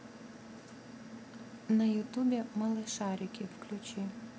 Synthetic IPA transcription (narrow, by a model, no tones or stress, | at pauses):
nɐjʊt̪ubʲɛmɐlˠɪʃɑɾʲikʲɪwklʲʊt͡ʃʲɪ